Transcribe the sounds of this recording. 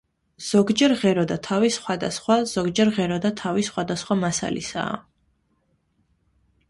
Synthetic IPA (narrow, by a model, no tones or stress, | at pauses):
z̥ɔɡd͡ʒɛɾʁɛɾɔd̪at̪ʰavisχwad̪asχwaz̥ɔɡd͡ʒɛɾʁɛɾɔd̪at̪ʰavisχwad̪asχwamasa̰lḭsa̰ː